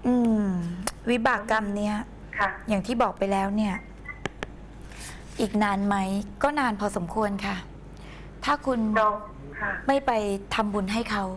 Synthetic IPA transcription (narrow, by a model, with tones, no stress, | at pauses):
ʔɯː˧ | wi˦˥baː˨˩kːa˧mni˦˥ɐ | kʰjaː˨˩ŋt̪ʰiː˥˩bɔː˨˩k̚pa˧jlɛː˦˥wni˥˩ɐ | ʔiː˨˩k̚naː˧nma˦˥jkɔː˥˩naː˧npʰɔ˧so˩˦mkʰu˧ənkʰa˥˩ | t̪ʰaː˥˩kʰu˧n˧ | ma˥˩jpa˧jt̪ʰa˧mbu˧nɦa˥˩jkʰa˦˥w